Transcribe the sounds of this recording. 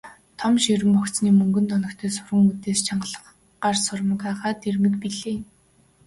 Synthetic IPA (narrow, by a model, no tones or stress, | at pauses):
t̪ʰɔmʃiɾɘ̆mpɔkt͡sniːmɵŋɡɵ̆nt̪ʰɔnɞ̆kt̪ʰeːsʊrʁə̆ŋut̪eːst͡ɕʰaɴɢə̆ɮə̆χ | ɢarsʊrmə̆kæːχaːt̪ʰermɘ̆k̪piɮeː